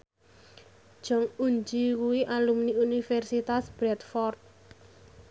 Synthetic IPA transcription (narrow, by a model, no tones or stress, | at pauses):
ʒ̥ɔ̤ŋuɲd͡ʒikuwiʔalumniunifɛrsit̪asb̥ɾɛt̪fɔrt̪̚